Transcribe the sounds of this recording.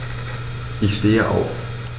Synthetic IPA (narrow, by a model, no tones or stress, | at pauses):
isd̥eːɐʔɒ̰ː